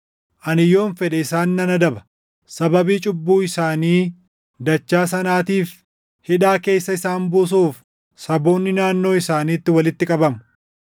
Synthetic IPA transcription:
ʔɐnɪjːo̞ːnfɛᶑɐɪsaːnːɐnɐd̪ɐbɐ̥ | sɐbɐbiːt͡ʃʼʊbːuːɪsaːniː | d̪ɐt͡ʃːaːs̬ɐnaːt̪iːf | hɪᶑaːke̞ːsːɐɪsaːnbʊs̬uːf | sɐbo̞ːnːɪnaːnːoːɪsaːniːt̪ːɪwɐlɪt̪ːɪkʼɐbɐmʊ

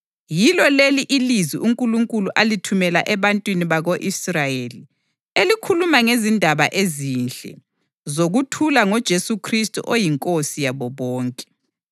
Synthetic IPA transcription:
jilɔleliʔiliziʔuŋkʼuluŋkʼuluʔalitʰumɛlaʔɛβantʼwiniβaɣoʔisrajeli | elikʰulumaŋezindʱaβaʔezinɬɛ̰ | zoɣutʰulaŋɔd̥ʒ̥ʱesukʰristʼṵʔojiŋkʼosijaβɔβɔːŋkʼɛ̥

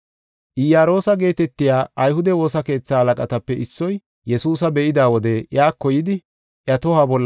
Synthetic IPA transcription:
ʔɪjaːɾo̞ːsɐɡe̞ːt̪ɛt̪ːɪjaːɐjhʊd̪ɛwo̞ːsɐke̞ːt͡sːaːhɐlɐkʼɐt̪ɐpːɛʔɪsːɔj | jɛsuːs̬ɐbɛʔɪd̪aːwɔd̪ɛʔɪaːkːɔjɪd̪ɪ | ʔjɐt̪ɔhabɔlː

